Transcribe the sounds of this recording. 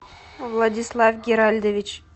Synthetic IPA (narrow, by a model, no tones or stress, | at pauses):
vlˠad̪ʲislˠavɡʲeɾalʲd̪evʲit͡ʃ